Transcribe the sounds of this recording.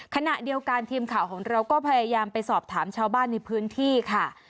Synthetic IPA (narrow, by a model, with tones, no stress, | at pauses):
kʰa˧na˨˩ʔdi˧əwka˧nt̪ʰiː˧mkʰaː˨˩˦wkʰɔː˩˦ŋɾa˧wkɔː˥˩pʰa˧jaː˧jaː˧mpa˧jsɔː˨˩p̚t̪ʰaː˩˦mt͡ɕʰaː˧wbaː˥˩nːa˧jpʰɯː˦˥nt̪ʰiː˥˩kʰa˥˩